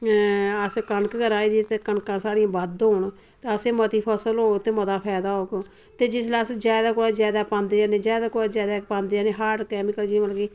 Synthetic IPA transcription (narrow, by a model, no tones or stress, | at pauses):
əskənkɡəɾaːiːd̪it̪eːkəɳkãːsaːɽijãːbəd̪oːɳ | t̪eəseːmət̪iːpʰəsəlɦoːt̪eːməd̪aːpʰɛːd̪aːoːkː | t̪eːd͡ʒɪslasd͡ʒjaːd̪aːkoːɽaːd͡ʒjaːd̪aːpãːnd̪eːaːneːd͡ʒjaːd̪aːkoɽaːd͡ʒjaːd̪aːpãːnd̪eaːneːɦaːʈkɛːmɪkəld͡ʒiməlɡiː